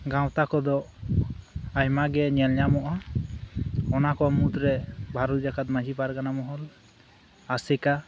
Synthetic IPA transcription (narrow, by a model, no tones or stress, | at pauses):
ɡãwt̪akɔd̪ɔ | ajmaɡɛɲɛlɲamɔʔa | ɔnakɔmut̪ɾɛbʱaɾut̪̚d͡ʒakat̪mad͡ʒʱipaɾkanamɔɦɔl | asɛka